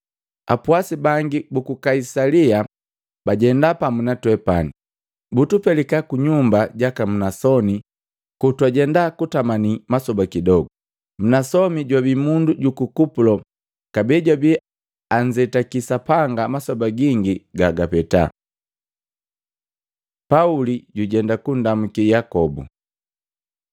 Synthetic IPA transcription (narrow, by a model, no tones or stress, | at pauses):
a̰puasibaŋɡibukukaisalia | baɟɛndapamunatwɛpani | butupɛlikakuɲumbaɟakam̩nasɔni | kutuaɟɛndakutamanimasɔbakidɔɡɔ | m̩nasɔmiɟwabimunduɟukukupulɔ | kabiːɟwabi | aɲd͡ʒɛtakisapaŋɡamasɔbaɡiŋɡiɡaɡapɛta̰ | pauliɟuɟɛndakundamukijakɔbṵ